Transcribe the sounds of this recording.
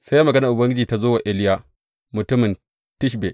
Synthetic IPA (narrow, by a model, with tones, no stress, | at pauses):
sa˦jːa˦mɐ˨ɡɐ˦nɐ˨ʔʊ˨bɐ˦ŋɡʲɪ˦d͡ʒiː˨ta˦zoː˦wa˨ʔɪ˦lɪ˦jaː˦ | mʊ˨tʊ˦mɪ˨n | tɪ˦ʃ̬be˨ʔ